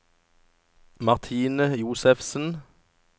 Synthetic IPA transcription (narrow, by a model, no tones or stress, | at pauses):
mɑʁt̪ʰiːnəjuːsɛfsn̩